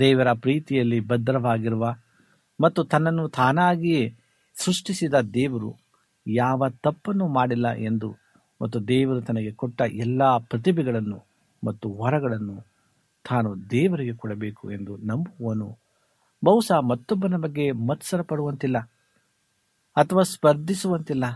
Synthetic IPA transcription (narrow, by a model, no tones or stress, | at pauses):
d̪ɛːʋɐɾɐpɾiːt̪ijɐlːibɐd̪ɾɐʋaːɡiɾuʋɐ | mɐt̪ːut̪ɐnːɐnːut̪ʰaːnaːɡije | sɾuʂʈisid̪ɐd̪ɛːʋɐɾṵ | jaːʋɐt̪ɐpːɐnːumaːɽilːɐ̰ʔe̞nd̪u | mɐt̪ːud̪ɛːʋɐɾut̪ɐnɐɡe̞kɔʈːɐʔɛlːɐpɾɐt̪ibiɡɐɭɐnːṵ | mɐt̪ːuʋɐɾɐɡɐɭɐnːu | t̪ʰaːnud̪ɛːʋɐɾiɡe̞kɔɽɐbeːkṵe̞nd̪unɐmbuʋoːnu | bɐwsaːmɐt̪ːɔbːɐnɐbɐɡːe̞mɐt̪sɐɾɐpɐɽuʋɐnt̪ilːɐ | ɐt̪ʰɐʋaːspɐɾd̪ʱisuʋɐnt̪ilːɐ